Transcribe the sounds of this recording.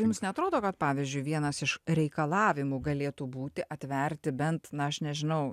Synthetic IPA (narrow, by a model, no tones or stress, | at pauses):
jumsnʲɛɐt̪ɾoːd̪oːkɐt̪̚pɑːʋʲɪzʲd͡ʒʲʊɪʋʲiɛnɐsɪʃɾʲɛɪkɐlˠɑːʋʲɪmuːɡɐlʲeːt̪uːbuːt̪ʲɪʔɐt̪ʲʋʲɛɾʲt̪ʲɪbʲɛnt̪nɐɐʃnʲɛʒʲɪnɐʊ